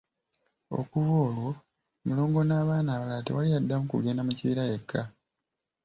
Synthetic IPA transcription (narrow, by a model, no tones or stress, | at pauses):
o̞̰kuvoːlwo̞ | mulo̞ːŋɡo̞naːβaːnaːβalaːtewalijadːamukuɡe̞ːnamuciβiɾaje̞kʰːa